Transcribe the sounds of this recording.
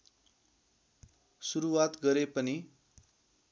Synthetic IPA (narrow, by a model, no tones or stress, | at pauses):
suɾuwat̪ɡʌɾepʌni